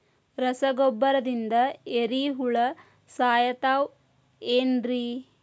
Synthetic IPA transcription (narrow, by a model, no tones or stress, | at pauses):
ɾɐsɐɡɔbːɐɾɐd̪ind̪ɐeɾiɦuɭɐ | saːjɐt̪aːw | eːnɾi